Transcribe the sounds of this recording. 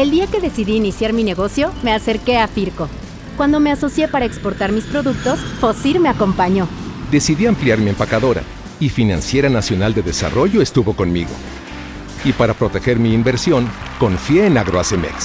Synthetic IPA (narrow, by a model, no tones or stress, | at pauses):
eld̪iake̞ðe̞siðiːnisjaɾmine̞ɣo̞sjo̞me̞ase̞ɾke̞afiɾko̞ | kwand̪o̞me̞aso̞sje̞paɾaekspo̞ɾt̪aɾmispɾo̞ðuk̚t̪o̞sfosiɾme̞ako̞mpaɲo̞d̪e̞siðiampljaɾmiempakaðo̞ɾa̰ | ifina̰nsje̞ɾanasjo̞nald̪e̞ðe̞sa̰ro̞ʝo̞e̞st̪uβo̞ko̞nmḭɣo̞̰ | ipaɾapɾo̞t̪e̞xe̞ɾmiːmbe̞ɾsjo̞ŋko̞ɱfje̞ːnaɣɾoasemḛks